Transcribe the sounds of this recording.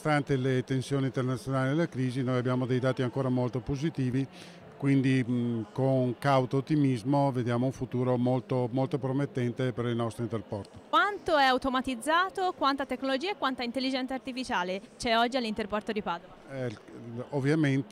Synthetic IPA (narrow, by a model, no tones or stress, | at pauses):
st̪ant̪elet̪ensjoːniːnt̪ernat̪sːjonaːlid̪elakɾiːzinojabjaːmod̪ejd̪aːt̪iaŋkoːɾamolt̪opozit̪iːvi | kwind̪ikoŋkawt̪oot̪ːimizmoved̪jaːmouɱfut̪uːɾomolt̪omolt̪opɾomet̪ːɛnt̪epeɾilnɔst̪ɾint̪erpɔrt̪o̥kwant̪oɛawt̪omat̪id̪zːaːt̪okwant̪at̪ekːnolod͡ʒiːaekwant̪aint̪elːid͡ʒɛnt̪sart̪ifit͡ʃaːlet͡ʃɛɔd͡ʒːialːint̪erpɔrt̪od̪ipaːd̪oaɛovːjament̪